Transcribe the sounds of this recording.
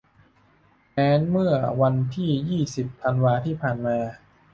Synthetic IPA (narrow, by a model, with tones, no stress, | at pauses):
mɛː˦˥nmɯ˥˩ɐwa˧nt̪ʰiː˥˩jiː˥˩si˨˩pʰːa˧nwaː˧t̪ʰiː˥˩pʰaː˨˩nmaː˧